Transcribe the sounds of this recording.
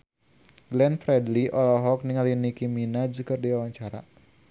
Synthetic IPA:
ɡlɛnfɾɛdliʔɔlɔɦɔk̚niŋalinikiminad͡ʒukɨrdiwawaɲt͡ʃaɾa̰

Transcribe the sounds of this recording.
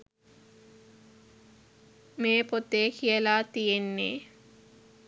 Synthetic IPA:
meːpot̪ːeːkʰijəlaːt̪ijenːḛː

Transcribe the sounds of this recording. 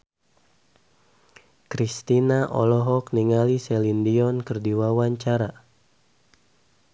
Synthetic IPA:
kɾist̪inaʔɔ̰lɔɦɔkniŋalisɛlindiɔnkɨrdiwawaɲt͡ʃaɾa

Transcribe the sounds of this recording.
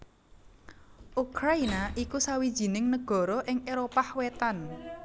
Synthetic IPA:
ʔukɾainaʔikusawid̥ʒ̥i̤nɪŋnəɡ̥ɔ̤ɾɔʔɪŋeɾopahwet̪an

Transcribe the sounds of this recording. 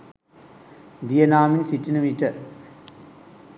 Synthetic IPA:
d̪ijɐnaːminsiʈːinɐmiʈːɐ

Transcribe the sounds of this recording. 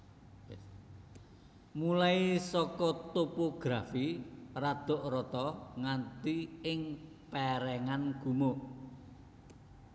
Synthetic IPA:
mulaisɔkɔt̪opoɡ̥ɾafirad̪̥ɔ̤ʔrɔt̪ɔŋant̪iɪŋ | pɛɾɛŋanɡ̥ṳmo

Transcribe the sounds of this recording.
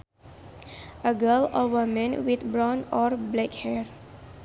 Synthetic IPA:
əɡəlɔwəmə̃nwit̪bɾɔ̃nɔɾblɛkhɛɹ

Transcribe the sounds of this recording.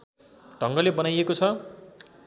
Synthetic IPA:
ɖʱʌŋɡʌlebʌnajekot͡sʰʌ

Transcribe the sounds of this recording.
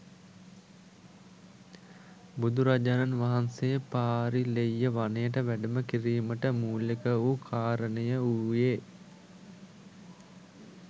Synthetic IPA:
bud̪uɾad͡ʒananʋaɦansejəpaːɾilejːəʋanəjəʈəʋæɖəməkiɾiːməʈəmuːlekəukʰaːɾənəjəuːje

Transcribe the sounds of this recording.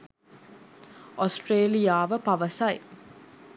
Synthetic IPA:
osʈreːlijaːʋəpaʋəsɐj

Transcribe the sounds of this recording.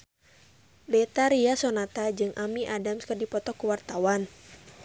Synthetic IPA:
bɛt̪aɾiasonat̪ad͡ʒɨŋʔamiʔadamskɨrdipɔt̪ɔkuwart̪awan

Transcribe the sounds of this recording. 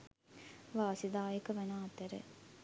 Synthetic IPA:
ʋaːsid̪aːjekəʋɛnaːt̪əɾə̰

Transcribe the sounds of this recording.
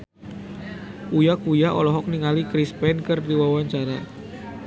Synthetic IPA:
ujakujaɔlɔɦɔk̚niŋalikɾispɛnkɨrdiwawaɲt͡ʃaɾa

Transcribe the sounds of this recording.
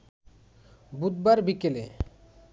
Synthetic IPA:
bud̪baɾbikele

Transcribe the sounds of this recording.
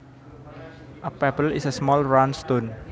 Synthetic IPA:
ʔəpɛbəlɪsəsmɔlɹanst̪on

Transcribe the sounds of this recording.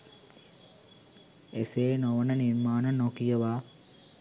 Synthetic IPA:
eseːnoʋənəniɾmaːnənokijəʋaː

